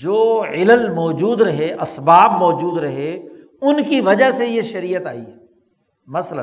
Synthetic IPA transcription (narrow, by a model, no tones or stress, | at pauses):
d͡ʒoːɪləlmɔːd͡ʒuːd̪ɾɐɦeʔɐsbaːbmɔːd͡ʒuːd̪ɾɐɦe | ʊnkiʋɐd͡ʒaɦsejeʃɐɾiːət̪a̰ːḭɛ | mɐslə̰̃n